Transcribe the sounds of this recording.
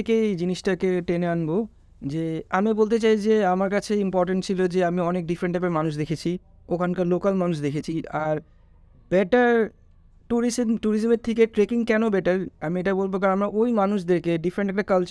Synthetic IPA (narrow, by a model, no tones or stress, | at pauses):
iked͡ʑiniʃʈakeʈeneanbo | d͡ʑeamibolt̪̬et͡ɕajd͡ʑeamaɾkat͡ɕʰeimpɔɾʈeɳʈ̚t͡ɕʰilod͡ʑeamiɔnek̚ɖifɾeɳʈɛk̚ʈaɾmanuʃ̬d̪ekʰet͡ɕʰi | okʰankalokalmanuʃ̬d̪ekʰet͡ɕʰiaɾ | bɛʈaɾ | ʈuɾismʈuɾis̬meɾt̪ʰikeʈɾekiŋkɛnobɛʈaɾamieʈabolbokaɾamɾaʔojmanuʃ̬d̪eɾkeɖifɾẽɳʈɛk̚ʈakalt͡ɕ